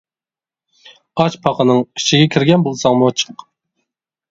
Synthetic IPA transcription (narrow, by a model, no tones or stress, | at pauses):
ɑt͡ʃpʰɑqʰənɨŋi̥t͡ʃʰiɡʲɛkʲʰiɾɡʲɛnbolˠsɑŋmuɑt͡ʃʰə̥q